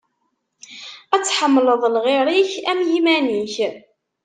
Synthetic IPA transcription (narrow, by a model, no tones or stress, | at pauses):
æt͡sːħəmːləðˤlʁiɾˤiçæmjimæniç